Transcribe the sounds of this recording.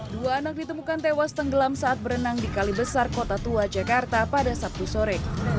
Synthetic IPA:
duaːnak̚dit̪əmukant̪ewast̪əŋɡəlamsaat̪̚bəɾənaŋdikalibəsarkot̪at̪uad͡ʒakart̪apadasap̚t̪usoɾɛ

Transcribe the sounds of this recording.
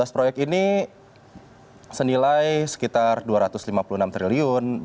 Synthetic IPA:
aspɾojɛk̪̚ini | sənilajsə̥kit̪arduaɾat̪ʊslimapulunamt̪ɾiliʊn

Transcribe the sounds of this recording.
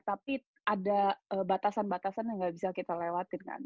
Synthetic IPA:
t̪ap̚i | adaəbat̪asanbat̪asanjaŋɡaʔbisakit̪alewat̪ɪnka̰n

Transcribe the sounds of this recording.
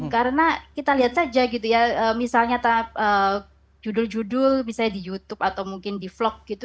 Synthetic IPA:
kaɾənakit̪aliɦat̪̚sad͡ʒaɡit̪ujaəːmisalɲat̪ap̚ʔəː | d͡ʒudʊld͡ʒudʊlmisalɲadijut̪ʊp̚at̪awmuŋkɪndiflɔk̚ɡ̥it̪u

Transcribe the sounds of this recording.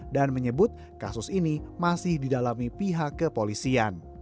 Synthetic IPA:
danməɲəbʊt̪̚ | kasʊsinimasɪhdidalamipiɦakːəpolisian

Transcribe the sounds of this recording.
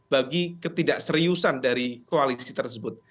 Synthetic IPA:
b̥aɡikət̪idaʔsəɾiusandaɾikoalisit̪ərsəbʊt̪̚

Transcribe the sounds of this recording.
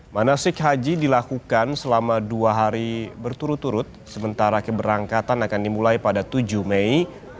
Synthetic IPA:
manasɪkɦad͡ʒidilakukansəlamaduaɦaɾibərt̪uɾʊt̪ːuɾʊt̪̚səmənt̪aɾakəbəɾaŋkat̪anakandimulajpadat̪ud͡ʒuhmei

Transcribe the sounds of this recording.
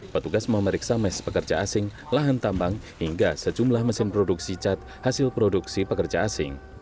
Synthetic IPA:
pət̪uɡasməməɾiksamɛspəkərd͡ʒaasɪŋ | laɦant̪ambaŋ | hiŋɡasəd͡ʒumlahməsɪmpɾoduksit͡ʃat̪̚ | hasɪlpɾoduksipəkərd͡ʒaːsɪ̰ŋ

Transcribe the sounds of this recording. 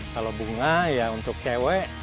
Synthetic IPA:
kalobuŋajaunt̪ʊk̚t͡ʃewɛʔ

